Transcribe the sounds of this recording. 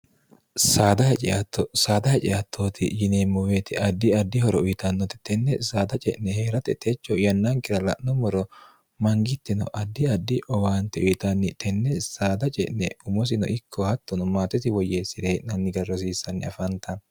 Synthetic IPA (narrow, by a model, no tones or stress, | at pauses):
saːd̪ɐhɛt͡ʃʼɪɐt̪ːɔsaːd̪ɐhɛt͡ʃʼɪɐt̪ʰːoːt̪ʰɪ̰jɪneːmːɔweːt̪ɪʔɐd̪ːɪɐd̪ːɪhɔɾɔʊjt̪ɐnːɔt̪ɪ̥t̪ɛnːɛsaːd̪ɐt͡ʃʼɛʔnɛheːɾɐt̪ɛt̪ʰet͡ʃːɔjɐnːaŋkɪɾɐlɐ̰ʔnɔmɔɾɔ | mɐŋɡɪt̪ːɪnɔ̰ʔɐd̪ːɪɐd̪ːɪʔɔwaːnt̪ːɛʊjt̪ɐnːɪt̪ɛnːɛsaːd̪ɐt͡ʃʼɛ̰ʔnɛʊmɔs̬ɪnɔ̰ʔɪkʰːɔhɐt̪ːɔnʊmaːt̪ːɛt̪ɪwɔjeːsɪd̪eʔnɐnːɪɡɐɾɔs̬iːsːɐnːɪɐfɐnt̪ːɐ